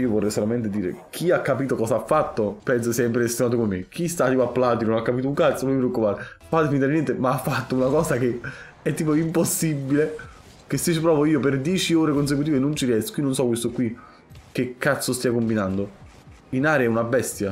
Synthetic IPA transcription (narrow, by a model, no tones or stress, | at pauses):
iːovorːɛjsolament̪̬ed̪iːɾḛk̟ʰiakːapiːt̪okɔːsaafːat̪ːopɛns̬oksɛimp̬ɾeɾlest̪jonaːt̪okomemːekʰist̪at̪iːpoapːlaːt̪innonakːapiːt̪ouŋkat̪soomipɾeokːupaːɾepat̪efint̪aɾenjɛnt̪emaafːat̪ːounakɔːsake | ɛt̪ːiːpoimposːibːile | k̟esːet͡ʃːipɾɔːvoiːoperd̪jɛːt͡ʃioːɾekons̬ek̬ut̪iːvenont͡ʃiɾjɛst̪o̥kinonsɔkwest̪oɛkwi | k̟ːekːat̪sːost̪iakombinand̪o | inaːɾeɛunabɛst̪ja